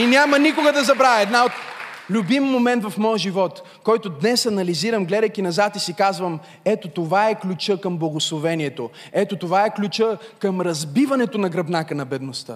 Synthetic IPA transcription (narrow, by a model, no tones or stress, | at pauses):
inʲamɐnikʊɡɐd̪ɐzɐbɾavʲɛɛd̪naot̪lʲubimːomɛnt̪vɐfmɔjəʒivɔt̪ | kɔjt̪od̪nɛsɐnɐliziɾɐmɡlɛd̪əjk̟inɐzat̪isikazvɐm | ɛt̪ot̪ovaɛklʲut͡ʃɤkɐmblˠɐɡoslˠovɛniɛt̪o | ɛt̪ot̪ovaɛklʲut͡ʃəkəmɾɐzbivɐnɛt̪onɐɡɾɐbnakənɐbɛd̪nost̪ə̰